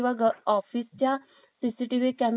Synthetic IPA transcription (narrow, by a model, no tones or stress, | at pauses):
ʋaɡɔfist͡ɕja | sisiʈiʋekæm